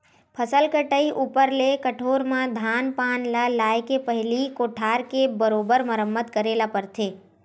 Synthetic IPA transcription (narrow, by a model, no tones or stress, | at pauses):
pʰəsəlkəʈəiʔupəɾlekəʈʰoːɾmãd̪ʱaːnpaːnlalaːjkepəɦɪlikoːʈʰaːɾkebəɾoːbəɾməɾəmːət̪kəɾeːlapəɾt̪ʰeː